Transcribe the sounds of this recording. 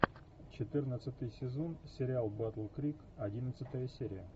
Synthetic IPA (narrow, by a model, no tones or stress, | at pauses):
t͡ɕɪt̪ɨrnət̪sɨt̪ɨjsʲɪzo̞nsʲɪɾʲɪalˠbat̪lˠkɾʲik | ɐdʲinət̪sɨt̪əjəsʲeɾʲɪjə